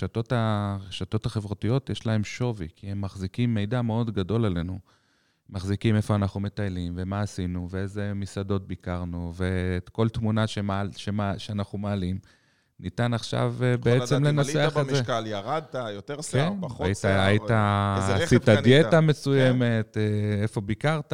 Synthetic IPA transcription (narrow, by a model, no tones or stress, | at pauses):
eʃato̞taʁeʃat̪o̞taχevʁatijo̞tjeʃlae̞mʃo̞vḭkʰihemːaχzikimːe̞jdameo̞d̪ɡado̞lale̞nu | maχzikime̞fo̞anaχume̞tajlimve̞maːsinuveeze̞misado̞t̚bikaʁnuve̞ko̞lt̪munaʃemalʃemaʃeanaχumaːlim | nitanaχʃa̰vbeet͡semle̞nat͡seaχezekaljaʁad̪̚tajot̪eʁskenitaajiaasit̪ad̪jetame̞sujeme̞teefo̞bikaʁt̪a